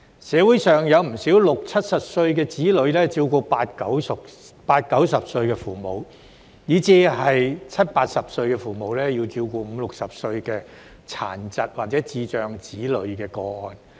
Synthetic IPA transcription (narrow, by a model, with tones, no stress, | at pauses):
sɛː˨˧wuː˨˥jsœː˨˩ŋjɐ˨˧wm̩˨˩siː˨˥wlʊ˨k̚t͡sʰɐ˥t̚sɐ˨p̚sɵ˧ɥkɛː˧t͡siː˨˥lɵ˨˧ɥlɛː˥t͡siː˧wkɔː˧paː˧t̚kɐ˨˥wsk̚ | paː˧t̚kɐ˨˥wsɐ˨p̚sɵ˧ɥkɛː˧fuː˨˩mo˨˧w | jiː˨˥t͡siː˧hɐ˨jt͡sʰɐ˥t̚paː˧t̚sɐ˨p̚sɵ˧ɥkɛː˧fuː˨˩mo˨wlɛː˥ji˧wt͡siː˧wkɔː˧m̩˨˧lʊ˨k̚sɐ˨p̚sɵ˧ɥkɛː˧ | t͡sʰa̰ː˨˩nt͡sɐ˨t̚waː˨˩t̚t͡sɛː˨˥t͡siː˧t͡ʃœː˨ŋt͡siː˨˥lɵ˨˧˥ɥkɛː˧kɔː˧ɔː˨˧n